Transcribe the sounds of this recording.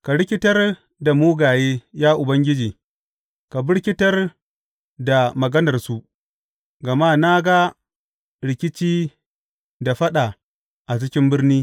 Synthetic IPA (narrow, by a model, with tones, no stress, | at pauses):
ka˨ɽɪ˦kʲɪ˦tɐ˦r | da˨muː˦ɡaː˨jeː˦jaː˦ʔʊ˨bɐ˦ŋɡʲɪ˦d͡ʒiː˨ | ka˨bɪ˦ɽkʲɪ˦tɐ˦r | da˨mɐ˨ɡɐ˦nɐ˨rsu˦ | ɡɐ˨ma˦na˦ɡa˦ | ɽɪ˨kʲɪ˦t͡ʃiː˦ | da˨ɸɐ˦ɗa˨ | ʔa˨t͡ʃɪ˦kʲɪ˦mbɪ˦rniː˦